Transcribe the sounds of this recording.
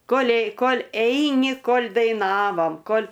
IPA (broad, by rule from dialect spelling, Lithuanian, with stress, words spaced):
ˈkoːlʲɛɪ ˈkoːlʲ ˈɛɪnʲɪ ˈkoːlʲ dɐɪˈnɑːʋoːm ˈkoːlʲ